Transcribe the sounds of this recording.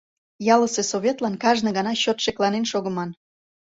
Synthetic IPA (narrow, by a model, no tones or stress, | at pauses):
jɑləsesoβʲet̪lɑnkɑʒnɤ̆ɣɑnɑɕot̪ʃeklɑnenʃoɣə̆mɑn